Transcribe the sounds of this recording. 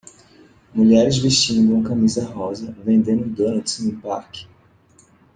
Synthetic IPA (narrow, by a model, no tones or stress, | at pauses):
muʎɛɾɪzviʃt͡ʃĩnd̪ʊũɐkamizɐɦɔzɐvẽnd̪ẽnd̪ʊ̃d̪õnʊsẽĩpa̰ɾkɪ̥